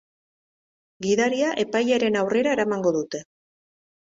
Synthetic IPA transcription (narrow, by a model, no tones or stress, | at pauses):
ɡiðaɾiaʔe̞pajaɾe̞nawre̞ɾae̞ɾamaŋɡo̞ðut̪e̞